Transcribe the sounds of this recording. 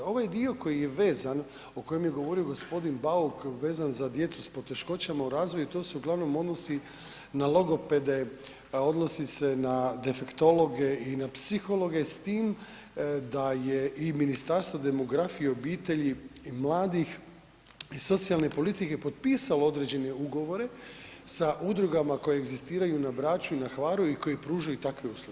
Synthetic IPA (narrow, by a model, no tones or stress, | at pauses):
o̞ʋajd̪io̞ko̞jije̞ʋe̞ːzan | oko̞jemje̞ɡo̞ʋo̞ɾio̞ɡo̞spo̞d̪inbaukʋe̞ːzanzad̪je̞t̪suspo̞t̪e̞ʃko̞t͡ɕamauɾaːzʋo̞jut̪o̞ːseuɡlˠaʋno̞mo̞d̪no̞si | nalˠo̞ɡo̞pe̞d̪e̞ | o̞d̪nosisenad̪e̞fekt̪o̞lo̞ɡe̞inapsixo̞lo̞ɡe̞st̪iːm | d̪ajeʔiminist̪aɾst̪ʋod̪e̞mo̞ɡɾafijeo̞biːt̪e̞ʎimlˠaːd̪ix | iso̞t̪sijalne̞po̞lit̪ike̞po̞t̪̚piːsaloo̞d̪ɾe̞d͡ʑe̞ne̞uɡo̞ʋo̞ɾe̞ | saʔud̪ɾuɡamako̞jeːɡzist̪iːɾajunabɾaːt͡ʃuinaxʋaɾuiko̞jepɾuːʒajut̪akʋe̞uːslˠoɡe